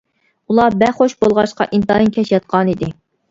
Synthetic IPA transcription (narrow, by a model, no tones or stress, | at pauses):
ulˠɑbæχoʃbolˠʁɑʃqɑ̰ʔint̪ɑinkʲʰɛʃjɑt̪̚qʰɑnid̪ɪ